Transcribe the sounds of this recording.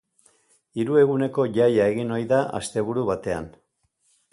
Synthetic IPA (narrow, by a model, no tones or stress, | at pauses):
iɾue̞ɣune̞ko̞ʝajae̞ɣino̞jðaʔa̰st̪e̞βuɾuβat̪e̞a̰n